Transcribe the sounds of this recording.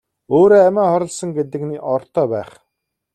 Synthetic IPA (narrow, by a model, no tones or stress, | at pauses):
oːɾoːæmʲæːχɔɾɞ̆ɮsə̆ŋɡet̪ɘ̆kniːʔɔrt̪ʰœːpæːχ